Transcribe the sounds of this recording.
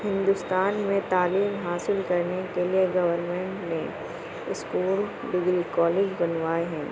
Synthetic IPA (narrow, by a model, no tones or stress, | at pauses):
hɪ̃nd̪ʊst̪aːnmẽt̪aːliːmɦaːsɪlkɐɾnekelieɡɐʋəɾmẽːɳʈnẽ | ɪskuːl | ɖɪɡlikɔːleːd͡ʒbɐnʋaːeɦɛ̃ː